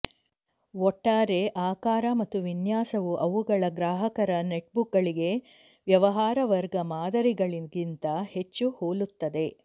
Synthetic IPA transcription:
ɔʈːaːɾe̞ʔaːkaːɾɐmɐt̪ːuʋinjaːsɐʋuʔɐʋuɡɐɭɐɡɾaːɦɐkɐɾɐneʈbukɡɐɭiɡe̞ | ʋjɐʋɐɦaːɾɐʋɐɾɡɐmaːd̪ɐɾiɡɐɭiɡint̪ɐhe̞t͡ʃːuhoːlut̪ːɐd̪e̞

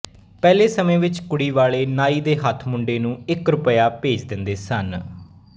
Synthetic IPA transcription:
pɛːleːsəmẽːʋɪt͡ʃkʊɽiːʋaːɭeːnaːiːd̪eːɦət̪ʰmʊɳɖeːnũːɪkɾʊpəjaːpeːd͡ʒd̪ɪnd̪eːsən

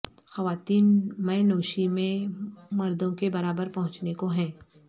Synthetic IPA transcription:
xɐʋaːt̪iːnmɛ̃jnoːʃimẽmɐɾd̪õkebɐɾaːbəɾpɐɦʊ̃t͡ʃnekoɦɛ̃ː

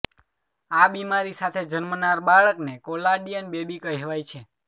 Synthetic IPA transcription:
abimaɾisat̪ʰed͡ʒənmənaɾbaɭəknekolaɖiənbebikəɦeʋajt͡ʃʰe

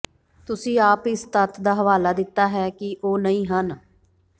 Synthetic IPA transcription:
t̪ʊsĩːaːpɪst̪ət̪d̪aːɦəʋaːlaːd̪ɪt̪ːaːɦɛːkɪʔoːnəĩːɦən

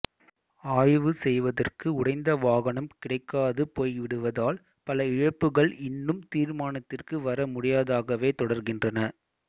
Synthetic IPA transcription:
aːjʋɯsɛjʋɐðɐrkɯʊɽɐɪnd̪ɐʋaːɣɐɳɐmkɪɽɐɪkːaːðɯpoːjʋɪɽɯʋɐðaːl | pɐlɐɪɻɐpːɯɣɐɭɪnːɯmt̪iːɾmaːnɐt̪ːɪrkɯʋɐɾɐmʊɽɪjaːðaːɣɐʋeːt̪ɔɽɐɾɣɪndrɐnɐ

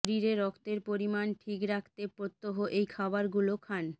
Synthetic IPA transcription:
oɾiɾeɾɔkʰt̪eɾpoɾimanʈʰikɾakʰt̪epɾot̪ːoɦoʔejkʰabaɾɡulokʰan

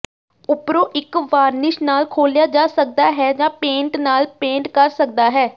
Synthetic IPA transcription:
ʊpɾoːʔɪkʋaːɾnɪʃnaːlkʰoːljaːd͡ʒaːsək̚d̪aːɦɛːd͡ʒãːpẽːɳʈnaːlpẽːɳʈkəɾsək̚d̪aːɦɛː

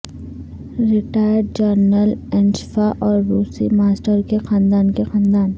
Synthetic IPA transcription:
ɾɪʈaːjəɾɖ̚d͡ʒəɾnəlɛ̃nt͡ʃfaʔɔːɾɾuːsḭmaːsʈəɾkexãːnd̪aːnkexãːnd̪aːn

